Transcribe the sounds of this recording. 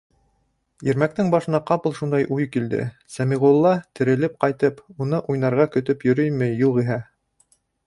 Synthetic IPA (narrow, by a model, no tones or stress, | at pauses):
jĭɾmæk̚t̪ɘŋbɑʃɤ̆nɑqɑpɤlˠʃund̪ɑjʔujkild̪ɘ̰ | sæmiʁulˠːɑt̪ɘ̆ɾɘ̆lɘp̚qɑjt̪ɤpunɤʔujnɑɾʁɑkɵ̆t̪ɵpjɵ̆ɾɵjmɘ̆jːuʁiɦæ